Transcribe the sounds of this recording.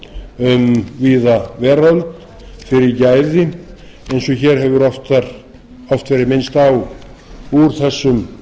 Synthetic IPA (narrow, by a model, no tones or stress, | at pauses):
ʏmviːðavɛːɾɔlt̪ | fɪɾɪɾcaːjðɪ | ejnsɔçɛɾ̥ɦɛvʏɾɔft̪aɾ | ɔft̪vɛːɾɪɾmɪnst̪aw | uɾ̥θɛsːʏm